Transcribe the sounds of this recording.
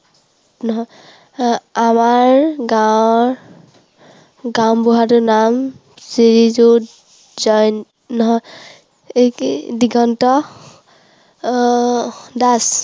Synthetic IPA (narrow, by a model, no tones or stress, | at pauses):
nɔɦɔj | amaɹɡawɹ | ɡaw̃buɦatʊnam | siɹizu | zɔjn | nɔɦɔj | ekdiɡɔntɔ | das